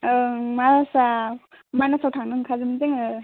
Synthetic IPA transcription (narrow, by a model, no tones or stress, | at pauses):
ɯmaɾasa | manasawtʰaŋnɯŋkʰazɯmzeŋɯ